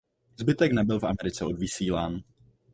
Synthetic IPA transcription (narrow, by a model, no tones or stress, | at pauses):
zbɪt̪ɛknɛbɪlfʔa̰mɛɾɪt͡sɛo̞dvɪsiːlaːn